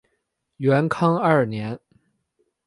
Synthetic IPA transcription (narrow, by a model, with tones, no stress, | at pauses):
ɥɛ˧˥nkʰɑ˥ŋɐ˞˥˩njɛ˧˥n